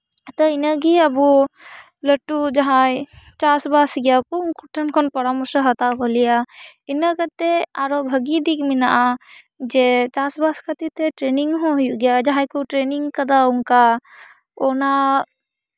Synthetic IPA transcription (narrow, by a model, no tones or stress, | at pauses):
t̪ɔɪnəɡiɐbu | lɐʈːud͡ʒɐɦãjt͡ʃaːsbasɡjakonkuʈʰɐnkʰɔnpɐɾamusəɦɐt̪aɦolijainəkət̪eaɾobʱɐɡid̪ikmina̰ʔa | d͡ʒet͡ʃaːsbaskɐt̪it̪eʈɾeːniŋɡɦojuɡjad͡ʒɐɦãjkuʈɾeːniŋɡkɐd̪aʊŋka | ona